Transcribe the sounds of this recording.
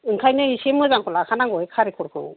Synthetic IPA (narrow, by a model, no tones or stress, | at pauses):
ɯŋkʰajnɯisemɯzaŋkʰɔlakʰanaŋɡɯjkʰaɾikʰɔɾkʰɯ̰w